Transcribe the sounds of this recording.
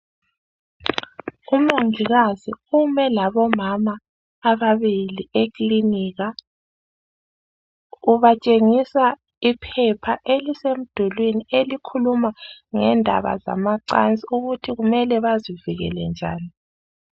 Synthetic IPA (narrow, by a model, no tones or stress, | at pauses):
umaŋiɣazḭumɛlaβɔmamaː | βaβiliekliniːɣa | uβat͡ʃʼeŋisa | ipʰɛpʰaʔelisem̩d̥ʱulwinielikʰulumaŋɛ̰ndʱa̰βa̰za̰maǀa̰nt͡sʼiuɣutʰiɣumɛlɛβaziviɣɛ̰lɛnd͡ʒʱa̰ːni